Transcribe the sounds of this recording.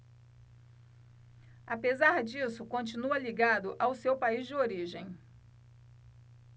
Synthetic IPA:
apezaɾd͡ʒisʊkõt͡ʃĩnuɐliɡad̪ʊʔawsewpaizd͡ʒɪoɾiʒẽj̃

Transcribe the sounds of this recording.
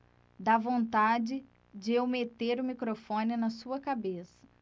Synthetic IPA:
d̪avõnt̪ad͡ʒɪ | d͡ʒɪewmet̪eɾʊmikɾofõnɪnɐsuɐkabesɐ̥

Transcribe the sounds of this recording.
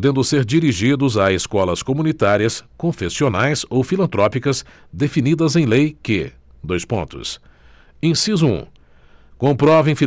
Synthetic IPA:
d̪ẽnd̪ʊseɾd͡ʒiɾiʒid̪ʊzaeskɔlɐskomũnit̪aɾiɐskõfesionajzowfilɐ̃nt̪ɾɔpikɐz | d̪efinid̪ɐzẽj̃lejkɪ̰ | d̪ojspõ̰nt̪ʊ̰s | ẽsizuṵ̃ | kõpɾɔvẽj̃fi

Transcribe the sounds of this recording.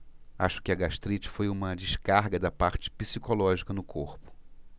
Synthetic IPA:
aʃʊ̥kɪɐɡaʃt̪ɾit͡ʃɪ̥fojũmɐd͡ʒɪʃkaɾɡɐd̪ɐpaɾt͡ʃɪ̥pisikolɔʒikɐnʊkʰoɾpʊ̥

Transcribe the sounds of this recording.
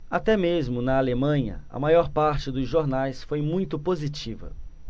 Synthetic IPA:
at̪ɛmezmʊnɐalemɐ̃ɲɐ̰ɐ̰majɔɾpaɾt͡ʃɪd̪ʊzʒoɾnajsfojmũj̃t̪ʊpozit͡ʃivɐ̰

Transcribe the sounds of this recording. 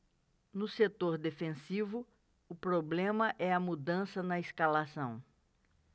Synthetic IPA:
nʊset̪oɾd̪efẽsivʊ | ʊpɾoblẽmɐʔɛɐmud̪ɐ̃sɐnɐiskalasɐ̰̃w̃

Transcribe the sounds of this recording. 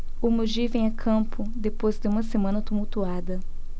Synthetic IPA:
ʊmod͡ʒivẽj̃akʰɐ̃mpʊd̪epojzd̪ɪũmɐsemɐ̃nɐt̪umuwt̪uad̪ɐ

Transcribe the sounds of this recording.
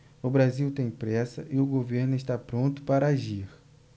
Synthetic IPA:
ʊbɾaziwt̪ẽj̃pɾɛsɐʔɪʊɡoveɾnʊɪst̪apɾõnt̪ʊ̥paɾɐaʒiɾ

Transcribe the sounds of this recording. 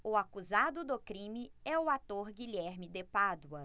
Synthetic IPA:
ʊakuzad̪ʊd̪ʊkɾĩmɪɛʊat̪oɾɡiʎɛɾmɪd̪epad̪uɐ

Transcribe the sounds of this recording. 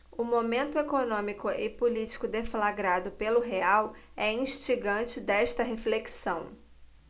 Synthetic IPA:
ʊmomẽnt̪ʊekonõmikʊɪpulit͡ʃi̥kʊd̪eflaɡɾad̪ʊpelʊɦeawɛĩʃt͡ʃiɡɐ̃t͡ʃɪd̪ɛʃt̪ɐɦefleksɐ̃w̃

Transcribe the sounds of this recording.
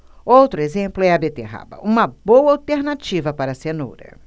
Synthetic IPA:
owt̪ɾʊezẽplʊɛɐbet̪eɦa̰bɐ̰ʔũmɐbowɐawt̪eɾnat͡ʃivɐpaɾɐseno̰ɾɐ̰

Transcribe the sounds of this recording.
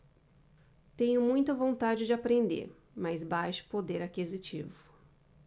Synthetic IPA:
t̪ẽɲʊmũj̃t̪ɐvõnt̪ad͡ʒɪd͡ʒɪapɾẽnd̪ḛɾ | mazbajʃʊ̥pod̪eɾakizit͡ʃivʊ

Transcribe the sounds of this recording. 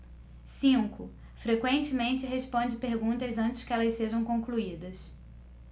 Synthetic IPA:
sĩŋkʊ | fɾekwẽnt͡ʃɪmẽnt͡ʃɪɦespõnd͡ʒɪpeɾɡũt̪ɐzɐ̃nt͡ʃɪ̥skɪɛlɐzseʒɐ̃w̃kõkluid̪ɐs

